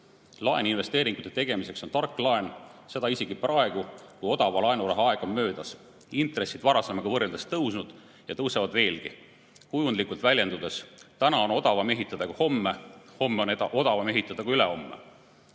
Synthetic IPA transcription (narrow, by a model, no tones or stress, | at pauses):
lɑeninve̞st̪e̞ːɾiŋɡ̥ut̪ːˑe̞t̪e̞ɡ̥e̞mise̞kso̞nt̪ɑrkːˑlɑe̞nse̞d̪ɑiseɡ̥iprɑe̞ɡukujo̞d̪̥ɑvɑlɑenuɾɑɦɑeɡ̥onmø̞ːd̪̥ɑs | int̪ɾe̞sːid̪vɑɾɑsemːeɡ̥ɑvɤrːeld̪est̪ɤwsnud̪̥ | jɑt̪ɤwsevɑd̪ve̞ːlɡi | hujunlikːˑult̪vælʲje̞nd̪ud̪e̞st̪ænɑo̞no̞d̪ɑvɑme̞ɦit̪ːˑɑd̪̥ɑkuho̞mːeho̞mːeoneɑo̞d̪̥ɑvɑme̞ɦit̪ːˑɑd̪̥ɑkuyleho̞mːḛ